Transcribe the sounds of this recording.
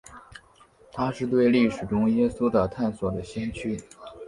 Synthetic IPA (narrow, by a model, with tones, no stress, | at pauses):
t̪ʰa˥ʂɻ̩˥˧t̪we˥˧ɪli˥˩ʂɻ̩˨˩ʈ͡ʂʊ˥ŋjɛ˥su˥t̪ə˨˩t̪ʰa˥˩nswɔ˨˩d̪ə˦ɕɛ˥nt͡ɕʰy˥